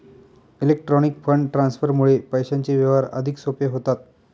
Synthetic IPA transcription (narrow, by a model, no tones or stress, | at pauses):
ilek̚ʈɾɔnikfəɳɖʈɾansfəɾmuɭepəjɕaɲt͡ɕeʋjəʋaɾə̰d̪ʱiksopeɦot̪at̪̚